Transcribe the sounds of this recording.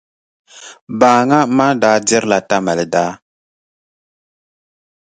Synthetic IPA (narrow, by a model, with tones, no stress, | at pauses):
baː˨ŋa˦ma˦da˨˦dɛ˦ɾla˨ta˦ma˨lda˦